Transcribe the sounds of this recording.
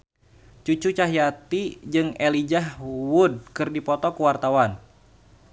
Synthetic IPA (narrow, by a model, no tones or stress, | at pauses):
t͡ʃut͡ʃut͡ʃaɦjat̪id͡ʒɨŋɛlid͡ʒahwud̚kɨrdipɔt̪ɔkuwart̪awan